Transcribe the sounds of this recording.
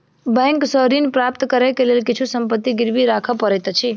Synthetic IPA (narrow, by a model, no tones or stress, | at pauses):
bɛ̃ŋksəɦɾinpɾap̚t̪kəɾɛkelelkit͡ʃʰusəmpət̪ːiɡɪɾʋiɾakʰəpəɾɛt̪t͡ʃʰi